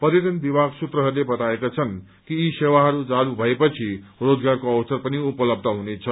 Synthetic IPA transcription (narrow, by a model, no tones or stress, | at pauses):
pʌɾjʌʈ̪ʌnbibʱaɡsut̪rʌɦʌrlebʌt̪aekat͡sʰʌn | kiːsewaɦʌɾud͡zalubʱʌepʌt͡sʰi | rod͡zɡarkoʌwsʌrpʌniupʌlʌb̚d̪ʱʌɦunet͡sʰʌ